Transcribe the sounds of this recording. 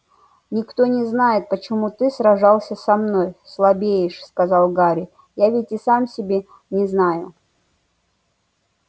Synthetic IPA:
nʲɪkt̪o̞nʲɪznajɪt̪̚pət͡ɕɪmut̪ɨsɾɐʐalˠsʲəsɐmnojslˠɐbʲejɪʂskɐzalˠɡaɾʲɪ | javʲɪtʲɪsamsʲɪbʲe | nʲɪznajʊ

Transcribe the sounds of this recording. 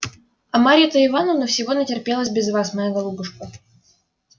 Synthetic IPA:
ɐmaɾʲɪət̪əɪvanʊnofsʲɪvo̞nətʲɪrpʲe̞lˠəsʲbʲɪzvasmɐjaɡɐlˠubʊʂkə

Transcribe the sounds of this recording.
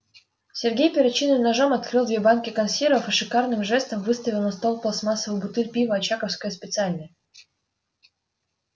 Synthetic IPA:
sʲɪrɡʲejpʲɪɾɐt͡ɕinɨmnɐʐomɐt̪̚kɾɨlˠd̪vʲebankʲɪkɐnsʲiɾəfɨʂɨkarnɨmʐɛst̪əmvɨst̪əvʲɪlˠnɐst̪olˠplˠəsmasːəvəjbʊt̪ɨlʲpʲivəɐt͡ɕakəfskəjəspʲɪt̪sɨalʲnə

